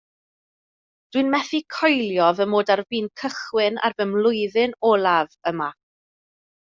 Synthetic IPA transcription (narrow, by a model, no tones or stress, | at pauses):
d̥wɨnmɛθikʰɔjlˠjɔðəmoːdarviːnkʰəχwɪna̰rvəmlˠʊɨðɨnɔːlˠavəma